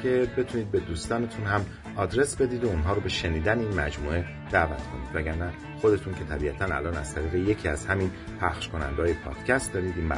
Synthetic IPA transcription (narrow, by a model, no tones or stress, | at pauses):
kʰe̞be̞t̪ʰuniːd̪̚be̞d̪uːst̪ɒːne̞t̪ʰunhæm | ɒːd̪ɾe̞sbe̞d̪iːd̪ounɦɒːɾobe̞ʃeniːd̪æneiːnmæd͡ʒmuːe̞ | d̪̥ævæt̪ʰkʰo̞niːd̪væɟæɾnæ | χo̞d̪e̞t̪ʰuncʰe̞t̪ʰæbiːæt̪ʰænæ̰lɒːnæ̰z̥t̪ʰæɾiːɣeje̞cʰiːæzhæmin | pʰæχʃko̞næ̰nd̪eɒːjepʰɒ̰ːd̪̥cʰæst̪d̪ɒːɾiːd̪iːnbæ̰